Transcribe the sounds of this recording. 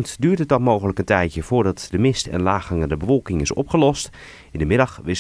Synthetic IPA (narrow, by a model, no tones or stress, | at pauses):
ntdyːɹtət̚ɑtmoːɣələkəntɛjtjəfʊːɹdɑtdəmɪstɛ̰nlaːxəŋədəbəfɔlˠkɪŋɪsɔ̰pχəlɔst | ɪndəmɪdɑxʋɪ